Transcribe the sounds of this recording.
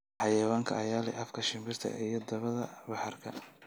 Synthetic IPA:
ħɑjɐwaːŋkʰɐ̰ɐjaːlɛ̰ʔɐfkʰɐʃɪmbɪrt̪ʰɐ̰ʔijɞd̪ɐβɐðɐbɑħɑrkʰɐ̰

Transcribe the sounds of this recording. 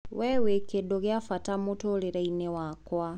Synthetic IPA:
wɛwekedoɣeafatamotoleɾainewakwa

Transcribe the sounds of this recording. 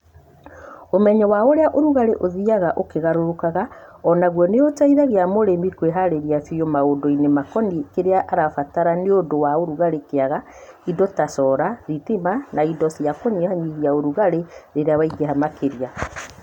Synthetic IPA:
omɛɲɔwaoɾeaʔoɾuɣaɾeʔoðiaɣaʔokeɣaɾoɾokaɣaɔnaɣwɔneotaiðaɣeamoɾemikweɦaɾeɾiasijɔmaodoinemakɔnikeɾeaʔaɾafataɾaneodowaoɾuɣaɾekeaɣaidɔtasɔɾaðitimanaidɔsjakoniehaɲiɣiaoɾuɣaɾeɾeɾeawaiɡeɦamakeɾia

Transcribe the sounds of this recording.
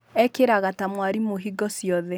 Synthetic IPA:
ɛkeɾaɣatamwaɾimoɦiɡɔsjɔðɛ

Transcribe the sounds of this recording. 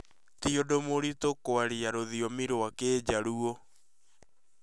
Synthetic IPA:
tiodomoɾitokoaɾiaɾoðiɔmiɾoakeːd͡ʑaɾuo

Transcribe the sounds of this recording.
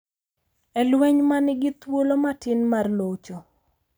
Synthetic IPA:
ɛlwɛɲmanɪɡɪt̪wolomatɪnmarlot͡ʃo

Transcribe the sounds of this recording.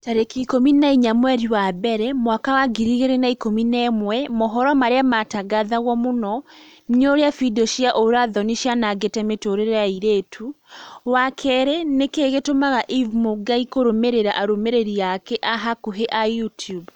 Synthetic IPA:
taɾekiikominaiɲamwɛɾiwabɛɾɛmwakawaɡiɾiɣeɾenaikominɛmwɛmɔɦɔɾɔmaɾeamataɡaðaɣɔmonɔ | nɲoɾeafidɔʃiaʔoɾaðɔniʃjanaɡetɛmetoɾeɾaiɾetʰuwakʰɛɾɛnekeɣetomaɣaʔivmoɡaikoɾomeɾeɾaʔaɾomeɾeɾiakɛʔaɦakuɦeʔajutjub

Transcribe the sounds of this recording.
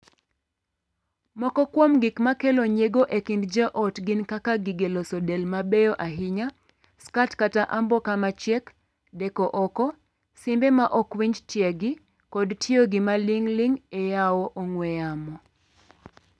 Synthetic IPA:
mɔkɔkwomɡɪkmakeloɲeɡoʔekɪndd͡ʒɛʔɔtɡɪnkakaɡiɡelosɔdelmabejɔʔaɦɪɲa | skatkataʔambɔkamat͡ʃjɛk | dɛkɔʔɔkɔ | simbemaʔɔkwiɲd͡ʒtjɛɡɪ | kɔdtʰɪoɡimaliŋliŋejawoʔoŋwejamɔ

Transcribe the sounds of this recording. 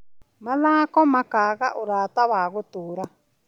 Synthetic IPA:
mãðaːkomãkaɣaʔuɾaːt̪aβaːɣut̪uːɾa

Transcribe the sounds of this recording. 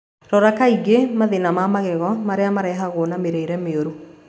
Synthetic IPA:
ɾɔɾakaiɡemaðenamamaɣɛɣɔmaɾeamaɾɛɦaɣoːnameɾeiɾɛmeoɾu

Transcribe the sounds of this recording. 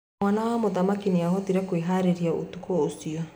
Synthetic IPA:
aːnawamoðamakineaɦɔtiɾɛkoeɦaɾeɾiao̰tukɔosiɔ

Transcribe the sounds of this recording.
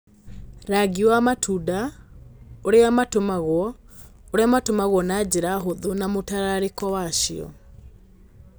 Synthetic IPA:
ɾaɡiwamatʰuda | oɾeamatomaɣwɔ | oɾeamatomaɣwɔnad͡ʑeɾaɦoðonamotaɾaɾekɔwaʃiɔ̰

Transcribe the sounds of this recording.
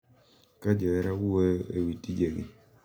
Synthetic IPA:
kad͡ʒɔɛɾaweḛwitid͡ʒeɡḭ

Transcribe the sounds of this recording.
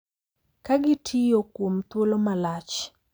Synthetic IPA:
kaɡɪtʰɪjokwomt̪wolomalat͡ʃ

